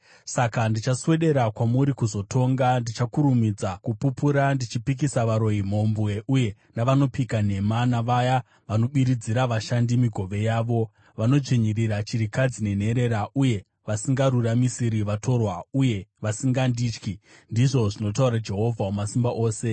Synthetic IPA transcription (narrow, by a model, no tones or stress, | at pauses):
sakandit͡ʃaswe̞ɗe̞ɾakwamuɾikuzo̞tʰo̞ŋɡandit͡ʃakuɾumid͡zakupupuɾandit͡ʃipik̬isaʋaɾo̞jim̤o̞mbwe̞ʔuje̞ | naʋano̞pikan̤e̞manaʋaja | ʋano̞ɓiɾid͡ziɾaʋaʃandimiɡʱo̞ʋe̞jaːʋo̞ | ʋano̞ʐeɲiriɾat͡ʃiɾikad͡zine̞n̤e̞ɾe̞ɾaʔuje̞ | ʋasiŋɡaɾuramisiɾiʋatʰo̞rwauje̞ʋasiŋɡandiːt͡ʃki | ndiʐo̞ʐino̞t̬auɾad͡ʒe̞ɦo̞vʱaumasimbaʔo̞ːse̞